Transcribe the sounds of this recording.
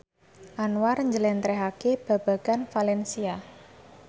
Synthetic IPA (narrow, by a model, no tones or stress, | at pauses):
ʔanwarɲd͡ʒəlɛnt̪ɾɛɦakeb̥a̤b̥a̤ɡ̥anfalɛnsia